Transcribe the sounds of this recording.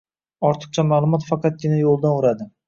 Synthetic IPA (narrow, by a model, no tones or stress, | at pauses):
ɒɾt̪ʰɨ̥q̚t͡ʃʰamaːlˠʊmɒt̪fɑqʰɑt̪̚ɡʲɪnajolˠd̪anʊɾad̪ɪ